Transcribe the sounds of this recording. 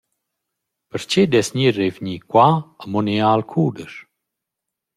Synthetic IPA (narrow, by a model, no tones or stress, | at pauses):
pəɾt͡ʃed̪ɛsɲirevɲikwaəmonialkʰuːd̪əʃ